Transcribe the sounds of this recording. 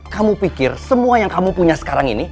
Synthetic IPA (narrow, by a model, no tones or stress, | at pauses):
kamupikɪrsəmuajaŋkamupuɲasə̥kaɾaŋini